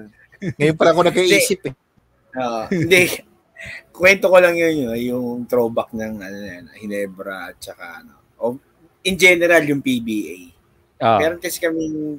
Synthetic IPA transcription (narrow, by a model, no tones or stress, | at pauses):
ŋɐjonpɐlaɐkonɐɡkɐʔiːɛsɪpɛ | oːʔohɪnd̪ɛ | kwɛnt̪oko̞lɐŋjʊnjjʊŋt̪ɾobɐk̚nɐŋʔɐnonɐjanɐhɪnɛbɾɐ̰ʔɐt̪̚t͡ʃɐka̰ʔɐno̰ʔo | ʔɪnd͡ʒɛnɛɾaljʊŋpibiʔa̰j | pɛɾont̪ɛskɐmiŋ